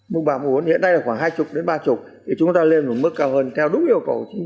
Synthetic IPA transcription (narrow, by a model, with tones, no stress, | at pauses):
mu˧˩ɓaː˨˩m˨˩˨nhḭ˧˨əna˧jlaː˨˩xwaː˧˩ŋɦaː˧jt͡ɕʊ˨˩k͡p̚ɗe˨˦nɓaː˧t͡ɕʊ˨˩k͡p̚ | t̪ʰi˨˩t͡ɕʊ˨˦ŋ͡mt̪aː˧le˧nm˨˧˩mɨ˦˥kːaː˧whəː˧nt̪ʰɛ˧wɗʊ˨˦˥k͡p̚ʔi˧əwkə̰˨˧˩wt͡ɕi˨˦